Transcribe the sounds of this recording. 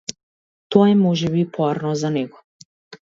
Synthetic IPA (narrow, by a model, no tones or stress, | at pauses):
t̪ɔɛmɔʒɛβipʰɔaɾnɔzanɛɡɔ